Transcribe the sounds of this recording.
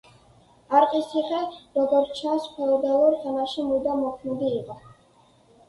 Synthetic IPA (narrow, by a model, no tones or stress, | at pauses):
aɾqʼisiχʼɛɾɔɡɔɾt͡ʃʰasχʰɛɔd̪aluɾtʰʼɛmaʃimud̪amɔkʰmɛd̪iːqʼɔ